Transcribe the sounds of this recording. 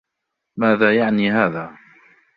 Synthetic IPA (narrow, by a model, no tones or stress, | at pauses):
maːðaːjaʕniːɦaːðaː